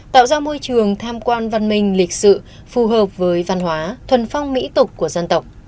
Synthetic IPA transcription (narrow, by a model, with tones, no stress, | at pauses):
t̪a̰ː˧˨wzaː˧mo˧jt͡ɕɨ˨˩əŋt̪ʰaː˧mkwaː˧nva˧˩nmï˨˩ŋ̟lï˨˩k̟̚sɨ̰˧˨ | fu˨˩ɦəː˨˩p̚vəː˨˦jva˧˩nhwaː˨˦t̪ʰwə˨˩nfa˧wŋ͡mmḭ˧˥t̪ʊ˨˩k͡p̚ku˧˩əza˧nt̪ə˨˩wk͡p̚